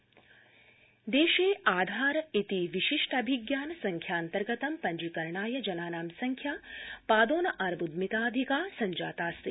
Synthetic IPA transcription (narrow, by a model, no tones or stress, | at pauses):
d̪eːʃeːaːd̪ʱaːɾɐit̪iʋiʃiʂʈɐbʱiɡjaːnɐsɐŋkʰjaːnt̪ɐɾɡɐt̪ɐmpɐɲd͡ʒikɐɾɳaːjɐd͡ʒɐnaːnaːmsɐŋkʰjaːpaːd̪oːnɐʔɐɾbud̪mit̪aːɐd̪ʱikaːsɐɲd͡ʒaːt̪aːst̪i